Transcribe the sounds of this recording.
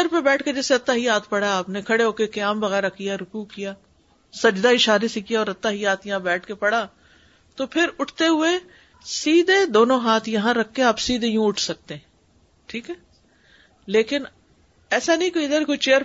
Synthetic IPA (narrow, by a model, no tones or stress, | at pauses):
əɾpebɛːʈʰked͡ʒɛːseɐt̪ːaɦiaːt̪ʰpɐɽaaːpnekʰɐɽeɦoːkekɐjaːmbɐɣɛːɾakijaɾʊkukijaː | sɐd͡ʒd̪aɪʃaːɾesekijaɔːɾɐt̪ːaɦiaːt̪jɐɦãbɛːʈʰkepɐɽaː | t̪opʰɪɾʊʈʰt̪eɦʊe | siːd̪ed̪oːnõɦaːt̪ʰjɐɦãɾɐkʰːeaːpsiːd̪ejũʊʈʰsɐk̚t̪eɦɛ̃ | ʈʰiːkɦɛː | leːkɪn | ɛːsanɐɦĩkoːiɪd̪əɾkot͡ʃeːəɾ